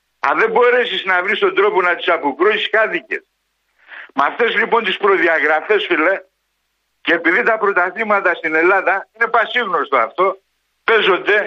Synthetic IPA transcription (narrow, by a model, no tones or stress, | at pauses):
ɐ̰ðe̞mbo̞ɾe̞siznɐvɾist̪o̞nd̪ɾo̞po̞nɐt̪i̥sɐpokɾusiskɐt̪icḛs | mɐft̪e̞zlipo̞nt̪ispɾo̞ðiɐɣɾɐfe̞sfile | ceːpiðit̪ɐpɾo̞t̪ɐθimɐt̪ɐst̪ine̞lɐðɐine̞pɐsiɣnost̪oɐft̪o̞ | pe̞zo̞d̪e̞